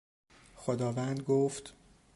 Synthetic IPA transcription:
xod̪ɒːvænd̪ɡoft̪

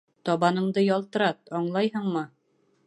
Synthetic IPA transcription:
t̪ɒβɑnɤ̆ɴd̪ɤjɒlˠt̪ɤ̆ɾɑt̪̚ɒɴlˠɑjɦɤɴmɤ

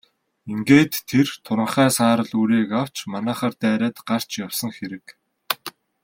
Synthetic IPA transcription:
iŋɡeːt̪ʰːert̪ʰʊɾə̆ɴχæːsaːɾə̆ɮuɾiːkaw̥t͡ɕmanæːχaːrt̪æːɾæːt̪ɢar̥t͡ɕjawsə̆ŋxeɾɘ̆k

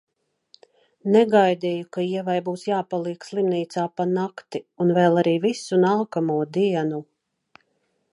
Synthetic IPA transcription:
nɛɡajd̪ijukaiɛvajbuːsjaːpalˠiɛkslˠimniːt̪saːpanakt̪iunvɛːlˠaɾiːvisunalˠkamuɔd̪iɛnu

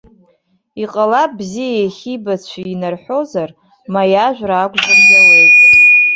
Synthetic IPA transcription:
iqʼalapʼbzijajeχʲibat͡ɕʷʰiinarħʷo̞zar | majaʒᶣʷraːɡʷʼʒamjalejtʼ

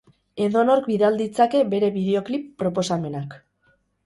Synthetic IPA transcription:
e̞ðo̞no̞ɾkbiðald̪it͡sake̞βe̞ɾe̞βið̞e̞o̞klipːɾo̞p̬o̞same̞nak

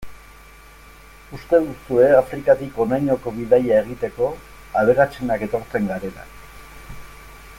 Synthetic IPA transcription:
ust̪e̞ðusue̞afɾikat̪iko̞najɲo̞ko̞βiðajae̞ɣ̞it̪e̞ko̞ | aβ̞e̞ɣat͡se̞nake̞t̪o̞ɾt͡se̞ŋɡaɾe̞ɾa̰

